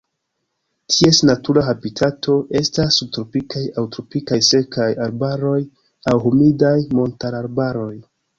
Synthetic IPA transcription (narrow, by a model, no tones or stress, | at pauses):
tʰie̞snatuɾaɦabitʰatʰo̞ʔe̞stasːub̚tɾo̞pikajawtɾo̞pikajse̞kajaɾbaɾo̞j | awɦomidajmo̞ntaɾaɾbaɾo̞j